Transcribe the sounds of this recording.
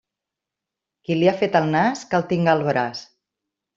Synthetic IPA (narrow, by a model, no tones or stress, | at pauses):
kiliafet̪əlˠnaskəlˠt̪iŋɡalˠβɾas